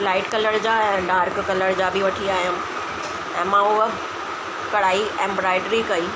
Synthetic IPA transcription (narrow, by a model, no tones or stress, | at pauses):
laːɪʈkɐləɾd͡ʑaːɛ̃ɖaːɾkːɐləɾd͡ʑaːbɪʋɐʈʰiaːɦijũ | ɛ̃ːmãʊɦə | kɐɽaːiɛ̃ːmbɾaːɪɖɾikɐiː